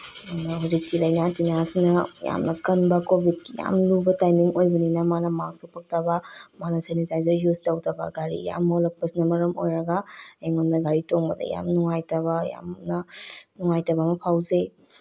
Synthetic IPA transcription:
nɐɦuzik̚kilɐjnatinasinɐja̰mnɐkɐnbɐkobʱid̚kija̰mlubɐtajmiŋojbɐninɐmanɐmaksopɐk̚tɐbɐmanɐsenitajzɐɾjuztɐwtɐbɐ̰ɡaɾḭja̰mːolɐk̚pɐsinɐmɐɾɐmojɾɐɡaeŋonːɐɡaɾitoŋbɐdɐ̰ja̰mnuŋajtɐβɐja̰mnɐnuŋajtɐbamɐpʰawze

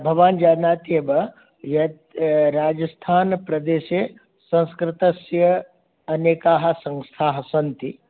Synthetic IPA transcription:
bʱɐʋaːnd͡ʒaːnaːt̪iebɐ | jɐ | ɾaːd͡ʒɐst̪ʰaːnpɾɐd̪eːʃeː | sɐ̃nskɾɪt̪ɐsjɐ | ɐneːkaːɦɐ̆sɐ̃ŋst̪ʰaːɦɐsɐnt̪i

